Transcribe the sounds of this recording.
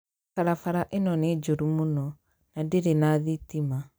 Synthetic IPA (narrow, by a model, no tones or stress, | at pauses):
faɾafaɾaʔenɔned͡ʒoɾumonɔ | nadeɾenaðitima